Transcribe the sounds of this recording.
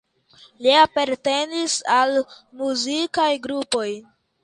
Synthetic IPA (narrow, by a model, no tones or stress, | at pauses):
liapaɾte̞nisalmuzikajɡɾupo̞j